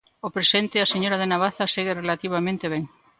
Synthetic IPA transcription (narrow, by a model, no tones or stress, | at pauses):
opɾesent̪ɪaseɲoɾaðenaβ̞aθɐseɣerelat̪iβ̞amẽnt̪eβeŋ